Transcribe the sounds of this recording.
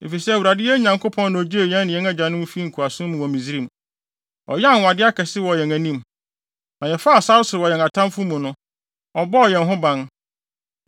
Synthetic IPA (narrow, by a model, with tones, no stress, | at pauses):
ḛ˨fi˨sɛ˦æ˨wu˨ɾa˨dɪ˦ɛ˦ɲã˨ŋkʰo˦pʰɔ̃˦ñː˨ɔ˨d͡ʑi˦e˨jɛ̃˦nːɪ̃˨jɛ̃˦ŋa˦d͡ʑã˨nʊ̃˦m˦fi˦ŋ̩˨kʰu˨a˨sʊ̃˦mʊ̃˨wɔ̃˨mĩ˨zi˦ɾĩ˦˨m | ɔ̰˨jɛ˦a˦˨nwa˨dɪ˦a˦kʰɛ˨sɪ˦wɔ˨jɛ˨ŋæ̃˨nĩ˦m | nã˨jɛ˨fa˦˨sa˦wʊ˦sɪ˨ɾɪ˨wɔ˨jɛ˨ŋa˨tʰã˦mfʊ˦mũ˨nʊ̃˦ | ɔ˨bɔ˦ɔ˨jɛ̃˨nɦʊ̃˦bã˦n